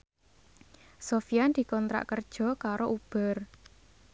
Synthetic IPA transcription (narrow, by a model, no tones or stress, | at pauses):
sofijand̪̥i̤kɔnt̪ɾa̰ʔkərd̥ʒ̥ɔ̤kaɾoʔub̥ə̤r